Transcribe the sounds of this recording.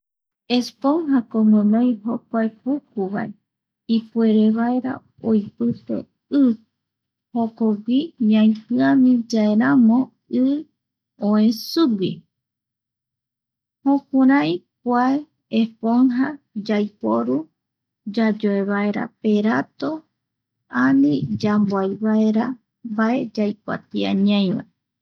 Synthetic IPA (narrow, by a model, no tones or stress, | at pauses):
espoŋɦakomɨ̃mẽjɦokʷaepuk̚uβa̰e | ipue̞ɾeβaeɾa̰ | ojpɨt̪ḛ | ɨ | hokoɡʷijãĩpɨãmĩd͡ʒaeɾamõ | ɨ | õẽsuɡi | hõkuɾãjkʷae | epoŋɦa | d͡ʒajpoɾu | d͡ʒad͡ʒoeβae̞ɾa̰peɾat̪o | anĩd͡ʒamboajβaeɾa | mbae̞d͡ʒajkʷa̰t̪ia̰ɲãj̃βa̰